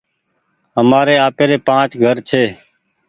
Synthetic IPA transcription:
ɦəmaːɾeːaːpeːɾeːpãːt͡ʃɡʱəɾt͡ʃʰeː

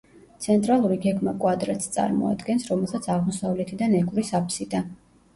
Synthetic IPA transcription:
t̪sʰɛnt̪ʼɾalˠuɾiɡɛɡmakʼwad̪ɾɛt̪st̪sʼa̰ɾmɔ̰a̰d̪ɡɛnsɾɔmɛlˠsat̪sʰaʁmɔsavlɛt̪ʰid̪anɛɡʼvɾisapʰsid̪a

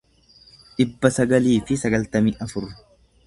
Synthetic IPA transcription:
ᶑ̪ɪbːɐsɐɡɐliːfɪsɐɡɐlt̪ɐmiːʔɐfʊɾːʊ

